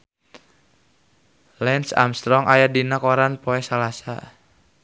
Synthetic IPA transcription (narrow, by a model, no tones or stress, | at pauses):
lɛnsa̰mst̪ɾɔŋʔajadinakɔɾanpɔɛsalasa̰